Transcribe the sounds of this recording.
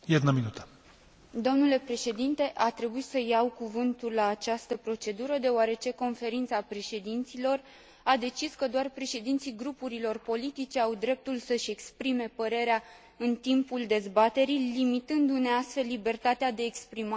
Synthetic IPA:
jet̪nəminut̪ə̥ | d̪o̞mnule̞pɾe̞ʃe̞d̪int̪e̞ʔat̪ɾe̞buit̪səjawkuvɨnt̪ulːaːt͡ʃast̪əpɾo̞t͡ʃe̞d̪uɾəd̪e̞oaɾe̞t͡ʃe̞ko̞nfe̞ɾint̪sapɾe̞ʃe̞d̪int̪silo̞r | ad̪e̞t͡ʃiskəd̪oarpɾe̞ʃe̞d̪int̪siɡɾupuɾilo̞rpo̞lit̪it͡ʃe̞awd̪ɾe̞p̚t̪ulsəʃʲe̞kspɾime̞pəɾe̞ɾea | ɨnt̪impuld̪e̞zbat̪e̞ɾilimit̪ɨnd̪une̞ast̪fe̞lːibe̞rt̪at̪ead̪e̞ːkspɾima

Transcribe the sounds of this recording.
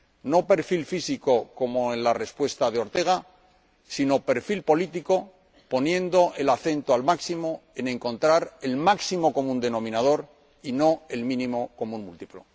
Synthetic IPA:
no̞pe̞ɾfilfisiko̞ko̞moe̞nlare̞spwe̞st̪að̞eo̞ɾt̪e̞ɣ̞a | sino̞pe̞ɾfilpo̞lit̪iko̞ | po̞njẽ̞nd̪o̞ʔe̞laθe̞nt̪oalmaksimo̞enẽ̞ŋkõ̞nt̪ɾaɾe̞lmaksimo̞ko̞mũnd̪e̞nõ̞mĩnað̞o̞ɾ | ino̞e̞lmĩnĩmo̞ko̞munmṵlt̪iplo̰

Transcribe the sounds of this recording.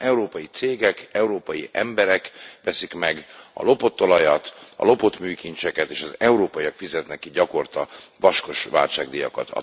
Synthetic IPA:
ɛuɾoːpɒjit̪seːɡɛkɛuɾoːpɒjiʔɛmbɛɾɛkʋɛsikmɛɡɒ̰lo̞po̞t̪ːo̞lɒjɒt̪ɒ̰lo̞po̞t̪myːkint͡ʃɛkɛt̪eːʃɒzɛuɾoːpɒjijɒkfizɛt̪nɛkːiɟɒko̞rt̪ɒʋɒʃko̞ʃʋaːlt͡ʃaːɡ̚d̪ijɒ̰kɒ̰t̪ʰɒ̰

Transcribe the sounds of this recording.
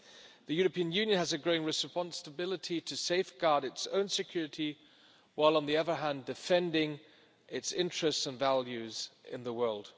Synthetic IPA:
ðɨjɔɹəpĩə̃njʉ̃njə̃nəzɨɡɹoʊɪ̃ŋɹɨspɑ̃nsəbɪlˠəɾʰiɾʰɨseɪfɡ̥ɑɹɾɨtsõ̰ʊ̃nsɨkʰj̥ʊɹɨɾi | waɪlˠə̃nðiʌðə˞ɦæ̃ndɨfɛ̃ndɪ̃ŋ | ʔɪtsɪ̃nt͡ʃɹ̥ɨstsə̃nvælˠjʉzɪ̰̃nðəwɜ˞lˠd̥

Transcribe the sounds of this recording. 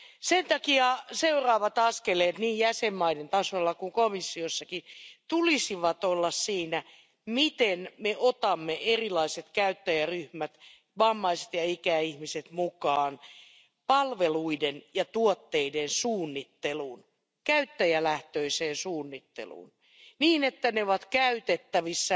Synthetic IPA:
sent̪ɑkiɑseurɑːʋɑt̪ɑskeleːt̪niːjjæsemːɑident̪ɑsolːɑkuŋkomisːiosːɑkit̪ulisiʋɑt̪olːɑssiːnæ | mit̪enmeʔot̪ɑmːeʔerilɑiset̪kæyt̪ːæjæryhmæt̪ | ʋɑmːɑiset̪jɑikæihmiset̪mukɑːn | pɑlʋeluidenjɑt̪uot̪ːeidensuːnːit̪ːeluːn | kæyt̪ːæjælæht̪øiseːnsuːnːit̪ːḛlṵːn | niːnet̪ːæneoʋɑt̪kæyt̪et̪ːæʋisːæ

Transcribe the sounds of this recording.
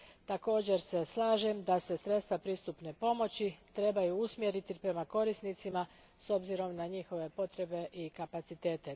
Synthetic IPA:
t̪ako̞ːd͡ʑe̞ɾse̞slˠaːʒe̞md̪ase̞sɾe̞t̪st̪ʋapɾiːst̪upne̞po̞mo̞t͡ɕit̪ɾe̞bajuusmje̞ɾit̪ipɾe̞mako̞ɾisnit̪sima | so̞bziɾo̞mnaɲixo̞ʋe̞po̞t̪ɾe̞be̞ʔikapat̪sit̪e̞ːt̪e̞

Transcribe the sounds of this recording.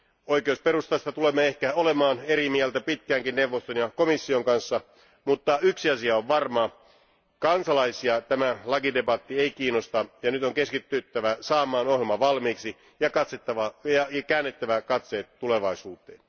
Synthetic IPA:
oikeouspeɾust̪ɑst̪ɑt̪ulemːeehkæolemɑːneɾimiælt̪æpit̪̚kæːŋkinnewʋːost̪onjɑkomisːioŋkɑnsːɑ | mut̪ːɑyksiɑsiɑoʋʋɑrmɑ | kɑnsɑlɑisiɑt̪æmælɑkidebɑt̪ːieikiːnost̪ɑjɑnyt̪oŋkeskit̪ːyt̪ːæʋæsɑːmˑɑːnohjelmɑʋɑlmiːksi | jɑkɑt̪set̪ːɑʋɑjɑjɑkæːnːet̪ːæʋækɑt̪se̞ːt̪ːule̞ʋɑisuːt̪ˑeːn

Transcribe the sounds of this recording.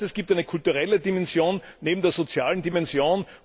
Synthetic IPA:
ɛsɡ̥iːp̚taɪnəkʰʊltuʁɛlədimɛnz̥joːnːeːbm̩d̥eːɐz̥ot͡sjaːləndimɛnzjoːn

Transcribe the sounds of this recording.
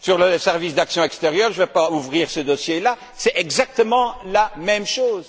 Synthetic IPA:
syʁləsɛʁvisd̪aksjɔ̃ɛkst̪eʁjœːʁʒəvɛpauvʁiːʁsəd̪ɔsjela | sɛɛɡzak̚t̪əmɑ̃lamɛmʃoːz

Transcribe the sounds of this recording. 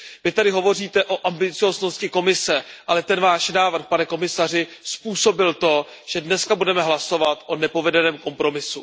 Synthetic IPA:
vɪt̪adɪɦo̞vo̞r̝iːt̪ɛʔo̞ʔambɪt͡sɪjo̞ːzno̞scɪko̞mɪsɛʔalɛt̪ɛnvaːʃnaːvr̩xpanɛko̞mɪsar̝ɪspuːso̞bɪlt̪o̞ | ʒ̥ɛdnɛskabudɛmɛɦlaso̞vat̪ʔo̞nɛpo̞vɛdɛnɛːmko̞mpɾo̞mɪsu

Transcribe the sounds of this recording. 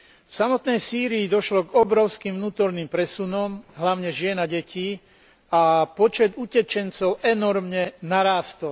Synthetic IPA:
fsamɔt̪nɛjsiːɾiːd̪ɔʃlɔɡɔbɾɔʊskimʋnuːt̪ɔɾnimpɾɛsunɔmɦlaʊɲɛʒɪɛnaɟɛcʰiː | apɔt͡ʃɛd̪ucɛt͡ʃɛnt͡sɔʊʔɛnɔɾmɲɛnaɾaːst̪ɔl

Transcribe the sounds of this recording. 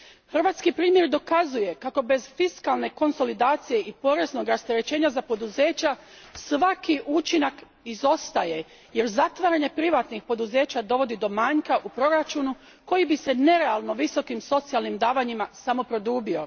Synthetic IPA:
xr̩ʋaːt̪skipɾiːmje̞ɾd̪o̞kazuje̞kako̞be̞zfiskalˠne̞ko̞nso̞lid̪aːt̪sije̞ʔipo̞ɾe̞zno̞ɡɾast̪e̞ɾe̞t͡ɕe̞ːɲazapo̞d̪uze̞ːt͡ɕa | sʋakʰiʔut͡ʃinak | izo̞st̪aje̞ | je̞ɾzat̪ʋaːɾaɲe̞pɾiʋaːt̪nixpo̞d̪uze̞ːt͡ɕad̪o̞ʋo̞d̪id̪o̞maːɲkaʔupɾo̞ɾat͡ʃuːnu | ko̞jibise̞ne̞ɾe̞alˠno̞ʋiso̞kimso̞t̪sijalˠnimd̪aːʋaɲimasamo̞pɾo̞d̪uːbio̞̰

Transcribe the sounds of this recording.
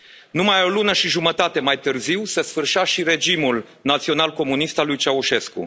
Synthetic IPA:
numajo̞lunəʃiʒumət̪at̪e̞majt̪ɨrziwsesfɨrʃaʃiɾe̞d͡ʒimul | nat̪sio̞nalko̞mun̪ist̪alːujt͡ʃauʃe̞skṵ

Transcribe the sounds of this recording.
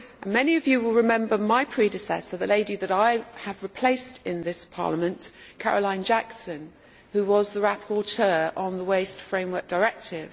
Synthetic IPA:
ə̃nmɛniəvjɨwɪlˠɹɪmɛ̃mbəmaɪpʰɹ̥idɪsɛ̰səðəleɪdiðəɾaɪəvɹɪpʰl̥eɪstʰɪ̃nðɪspʰɑ̰ːləmə̃nkʰa̰ɹəlãɪ̃nd͡ʒaksə̃n | hʉwɒzðəɹapʰɔtʰɜːɹʔə̃nðəweɪstfɹẽɪ̃mwɜˑ˞k̚d̥əɹɛk̚tʰɪv̥

